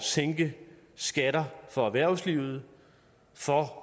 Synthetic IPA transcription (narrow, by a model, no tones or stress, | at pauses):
seŋɡ̥ə | sɡ̥æɾɐfɒ̽æʋæɐ̰sliʊð̞̩ˠ | fɒ